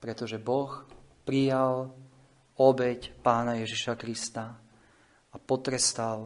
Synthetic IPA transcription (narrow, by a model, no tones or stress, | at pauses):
pɾɛt̪ɔʒɛbɔxpɾijal | ɔbɛcpaːnajɛʒiʃakɾist̪a | apɔt̪ɾɛst̪al